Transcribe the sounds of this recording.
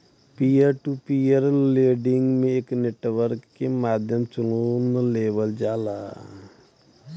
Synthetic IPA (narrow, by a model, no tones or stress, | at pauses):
piəɾʈupiəɾleːɖɪŋɡmẽeːkneːʈʋəɾkːemaːd̪ʱjəmt͡ʃʊlonleːʋəld͡ʒaːla̰